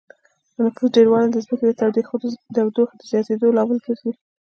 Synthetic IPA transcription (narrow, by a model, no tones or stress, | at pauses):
ənafuzɖeɾwɑlad̪əzməked̪ət̪awd̪exd̪awd̪oxed̪əzjɑt̪ed̪olɑməlkəɾɡi